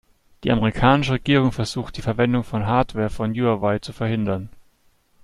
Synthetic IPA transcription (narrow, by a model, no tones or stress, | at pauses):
d̥iːʔameʁikʰaːnɪʃəʁeɡ̥iːʁ̞ʊŋfɛɐz̥uːxtd̥iːfɛɐvɛndʊŋfɔnɦaːɐtv̥ɛːɐfɔnjuːawaɪt͡sufɛɐhɪndɐn